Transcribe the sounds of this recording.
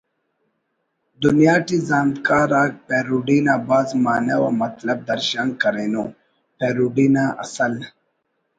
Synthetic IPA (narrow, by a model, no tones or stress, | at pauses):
d̪unjaːʈizaːnd̪kaːɾaːk̚peɾuɖinabaːzmaːnewamɐt̪lɐb̚d̪ɐɾʃaŋkɐɾenu | peɾuɖiːnaʔɐ̰sɐl